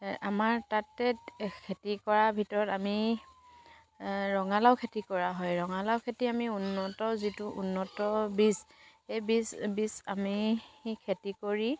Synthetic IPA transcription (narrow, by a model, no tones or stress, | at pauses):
amaɹtatːɛkʰetikɔɹabʱitɔɹɔtami | ɹɔŋalawkʰetikɔɹaɦɔjɹɔŋalawkʰetiamiunːɔtɔzituʔunːɔtɔbis | ejbisbisamikʰetikoɹi